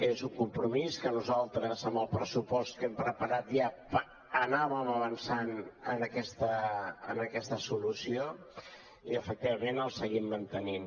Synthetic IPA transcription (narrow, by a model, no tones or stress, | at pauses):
ezuŋkumpɾumiskənuzalˠt̪ɾəzəmbəlˠpɾəsupɔst̪̚kɛmpɾəpəɾat̪ʒapə | ənaβəməβənsanənəkɛst̪əənəkɛst̪əsulusio | iəfək̚t̪iβəmenəlˠsəɣimːənt̪ənin